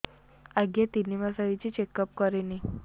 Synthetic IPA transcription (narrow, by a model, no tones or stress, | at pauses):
aɡjet̪iniʋasaʋit͡ɕit͡ɕekəp̚kəɾeni